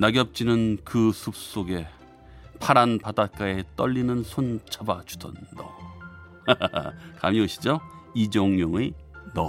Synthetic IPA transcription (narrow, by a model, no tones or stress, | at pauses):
naɡjʌp̚t͡ɕ͈inɯnkɯsʰup̚s͈oɡe̞ | pʰaɾanpadat̚k͈ae̞t͈ʌʎːinɯnsʰont͡ɕʰabat͡ɕu̥tʰʌndʌ | ka̰mioɕʰid͡ʑoid͡ʑʌŋjoŋenʌ